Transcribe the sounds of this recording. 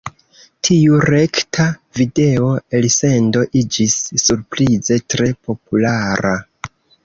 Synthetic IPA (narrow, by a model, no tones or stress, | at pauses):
tʰiuɾe̞ktʰavide̞o̞else̞ndo̞ʔid͡ʒisːuɾpɾize̞tɾe̞po̞pulaɾa